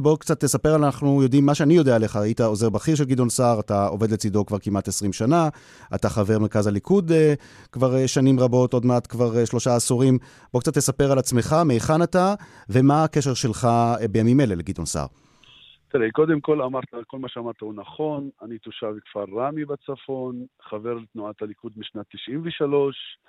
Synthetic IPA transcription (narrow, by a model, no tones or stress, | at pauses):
bo̞kt͡sat̪ːe̞sape̞ʁalanaχnujo̞dimːaʃeanijo̞deaːle̞χaajitao̞zeʁbaχiʁʃ̬e̞lɡid̪o̞nsaʁatao̞̰ve̞dle̞t͡sido̞kvaʁkimʔatesʁimʃana | a̰taχave̞ʁme̞ʁkazalikud̪ | kvaʁeʃanimʁabo̞to̞dmeatkvaʁʃlo̞ʃaːsuʁim | b̥o̞kt͡sat̪ːesape̞ʁalat͡sme̞χameːχanata | ve̞maːkeʃeʁʃe̞lχabejamimeleleɡid̪tonsa̰ʁ | t̪eleko̞d̪emko̞lamaʁt̪ako̞lmaʃeamaʁt̪ahunaχo̞nanit̪uʃavkv̥aʁːamibat͡safo̞nχave̞ʁlet̪nuat̪halikud̪̚miʃnat̪ːiʃʔimveʃalo̞ʃ